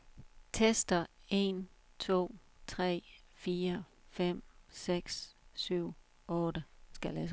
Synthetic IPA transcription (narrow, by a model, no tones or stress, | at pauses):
t͡sʰesd̥ɐe̝n | t͡sʰo̝̰ːt͡sʰʁɛ̰ː | fiːɐ | fem̰seɡ̥ssyʊ̰ | ɔ̽ːɾəsɡ̥ælæs